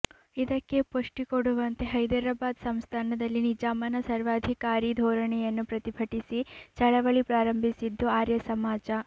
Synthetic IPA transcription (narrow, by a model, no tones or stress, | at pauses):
id̪ɐkːe̞poʂʈikoɽuʋɐnt̪eɦɐjd̪ɐɾɐbaːd̪sɐmst̪ʰaːnɐd̪ɐlːinid͡ʒaːmɐnɐsɐɾʋaːd̪ʱikaːɾiːd̪ʱɔːɾɐɳɛjɐnːupɾɐt̪ibʱɐʈisit͡ʃɐɭɐʋɐɭipɾaːɾɐmbʱisid̪ːuaːɾjɐsɐmaːd͡ʒɐ